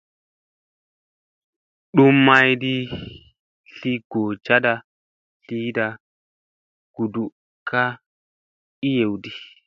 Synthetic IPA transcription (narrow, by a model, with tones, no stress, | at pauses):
ɗu˦mːa˦jdi˦ | ɬi˦ɡ̥o˨t͡ʃa˦da˨ | ɬi˦da˨ | ɡ̥u˨du˨ | ka˦ | i˦je˨wdi˦